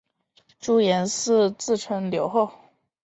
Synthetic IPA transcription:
ʈ͡ʂu˥jɛ˧˥nsɹ̩˥˧t͡sɹ̩˥˩ʈ͡ʂʰə˧˥ŋljo˧˥ʊxo˥˩ʊ

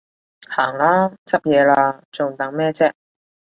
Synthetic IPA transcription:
haː˨˩ŋlaː˥t͡sɐ˥p̚jɛː˨˧laː˧t͡so˨˩ŋt̪ɐ˨˥ŋmɛː˥t͡sɛː˥

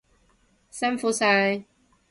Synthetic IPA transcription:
sɐ˥nfuː˨˥sa˧˥j

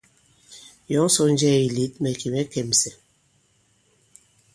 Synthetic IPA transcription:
jɔ˨˦ŋ˦sɔ˦n˦d͡ʒɛː˦˨i˨li˨˦t̚mɛ˨ki˨mɛ˨˦kɛ˨msɛ˨

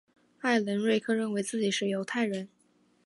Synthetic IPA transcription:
a˥˩ɪlə˧˥nɻwe˥˧ɪkʰɤ˥˧ɻə˥˩nwe˧˥ɪt͡sɹ̩˥˩t͡ɕi˨˩ʂɻ̩˥˩jo˧˥ʊt̪ʰa˥˩ɪɻə˧˥n

